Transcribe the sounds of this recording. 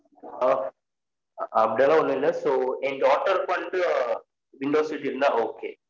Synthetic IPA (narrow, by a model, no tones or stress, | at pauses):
ɐpɐɽinaːlãɐnːũɪlːɐsoːɛnɖɔːʈːɐɾpɐɳɖɯ | ʋɪɳɖoːsʋiʈːɪɾɯnd̪aːoːkeː